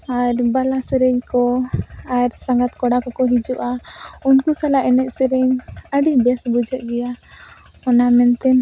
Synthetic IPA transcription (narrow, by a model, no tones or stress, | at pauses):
aɾbalasɛɾɛɲkɔaɾsaŋɡat̪kɔɽakɔkɔɦid͡ʒuʔaunkusalaʔɛnɛʔ̪̚sɛɾɛɲəɖibɛsbud͡ʒɛʔ̪̚ɡɛja | ɔnamɛnt̪ɛn